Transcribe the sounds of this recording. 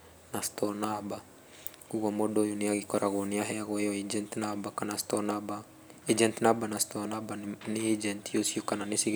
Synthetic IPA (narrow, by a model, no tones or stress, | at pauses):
nast̪onaba | kuɡamodojuniaɡikɔɾʔaɡoniaɦeaɣojoid͡ʒɛnt̪nabakanast̪onaba | id͡ʒɛnt̪nabanast̪onabaniid͡ʒɛnt̪jusiukananisiɡ